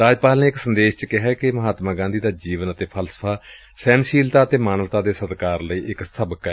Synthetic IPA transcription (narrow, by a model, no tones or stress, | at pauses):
ɾaːd͡ʒpaːlneːɪksənd̪eːʃt͡ʃəkɪɦaːkɪməɦaːt̪maːɡãːnd̪iːd̪aːd͡ʒiːʋənət̪eːpʰəlsə̥pʰaː | sɛːnʃiːlt̪aːət̪eːmaːnəʋt̪aːd̪eːsət̪kaːɾləiːʔɪksəbkɛː